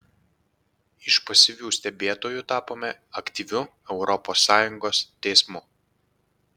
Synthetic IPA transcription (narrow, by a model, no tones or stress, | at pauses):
ɪʃpɐsʲɪʋʲuːsʲt̪ʲɛbʲeːt̪oːjut̪ɑːpoːmʲɛɐkʲt̪ʲiːʋʲʊ | ɛʊɾɔpoːsːɑːjʊŋɡoːst̪ʲɛɪsmʊ